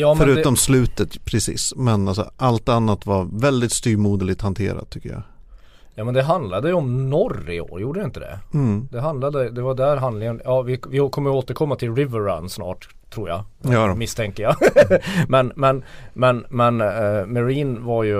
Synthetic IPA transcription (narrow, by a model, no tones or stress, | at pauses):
jɑːmfɛœɾʉ̟ːɛɔmslʉ̟ːt̪ət̪pʰɾɛsḭːsmɛnals̬ɔ̰ʔalt̪anːat̪vaɾvɛld̪ɪt̪st̪yːɾmuːd̪əlɪɡ̚t̪hant̪ʰḛːɾa̰t̪̚ʰːʏkːəja̰ | jɑːmɛnd̪ɛɦand̪lad̪əjɵɔmnɔrɪ̰o̰ːɾjuːɖəjɪnt̪əd̪ɛ̰d̪̥ɛɦand̪lad̪əd̪ɛvaɖ̪æɾɦand̪lɪŋənjɑːvɪvɪkʰɔmːəjoːt̪əɾkʰɔmːat̪ʰɪlɾɪvəɾːa̰nːsnɑ̰ːʈ | t̪ʰːɾuːɾja̰mɪst̪ʰɛŋkːəja | mɛnmɛnmɛnmɛnmɛɾiːnvaɾjɵ